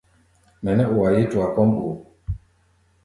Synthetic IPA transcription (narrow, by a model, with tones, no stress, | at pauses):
mɛ˨nɛ˦ʔu˨wa˨ji˦tu˨a˨kɔ˦mu˨